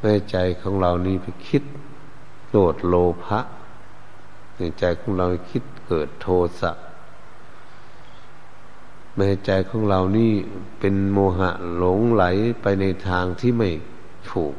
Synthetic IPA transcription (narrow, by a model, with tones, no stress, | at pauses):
mɛː˧ht͡ɕa˧jkʰɔː˧˥˦ŋla˧wniː˧˥˨pa˨˧jkʰi˧˦t̪̚ | loː˧˩t̪̚loː˧pʰa˧˥ʔ | ma˧˨˩t͡ɕa˨˧jkʰɔː˧˥˦ŋla˧wni˧˩kʰi˧˥t̪̚kɤː˨˩t̪ʰːoː˧sa˧ʔ | ma˧ha˧˩t͡ɕa˧jkʰɔː˧˥˦ŋla˧wniː˧˥˨ | pe˧nmoː˧ɦa̰˧ʔlo˨˦ŋla˨˦jpa˧jna˧jt̪ʰaː˧ŋt̪ʰiː˧˨ma˧˩j | t̪ʰuː˨˩k̚